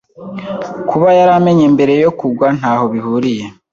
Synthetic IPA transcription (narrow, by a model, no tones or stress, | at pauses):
kʰuβajaɾame̞ɲembe̞ɾe̞jo̞kuɡwan̥haːho̞βihuːɾije̞